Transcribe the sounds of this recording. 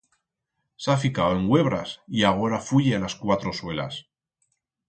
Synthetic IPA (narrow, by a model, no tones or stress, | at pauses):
safikaoe̞ŋɡwe̞β̞ɾasiaɣ̞o̞ɾafuʝealaskwat̪ɾo̞swe̞la̰s